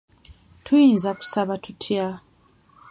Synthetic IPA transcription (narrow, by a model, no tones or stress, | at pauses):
tʰuinzaku̥saβatʰutʰia